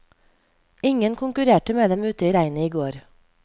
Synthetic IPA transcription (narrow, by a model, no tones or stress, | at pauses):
ɪŋənkʰʊŋkʉɾeːʈəmeːd̪ɛmʉːt̪əiːɾæɪnəiːɡoːɾ